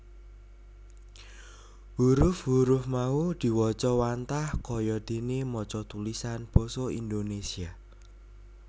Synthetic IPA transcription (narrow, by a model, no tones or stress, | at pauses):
huɾʊfɦuɾʊfmaud̪̥i̤wɔt͡ʃɔwant̪ahkɔjɔd̪̥e̤nemɔt͡ʃɔt̪ulisanb̥ɔ̤sɔind̪onesia